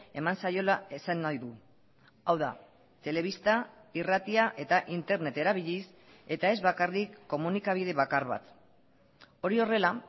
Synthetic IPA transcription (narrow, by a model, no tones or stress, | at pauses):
e̞mansajo̞laesanːajðu | awða | t̪e̞le̞β̞ist̪airat̪iaʔe̞t̪aʔint̪e̞ɾne̞t̪e̞ɾaβ̞iʎis | e̞t̪ae̞zβakarikːo̞munikaβ̞ið̞e̞βakaɾβa̰t̪ | o̞ɾio̞re̞la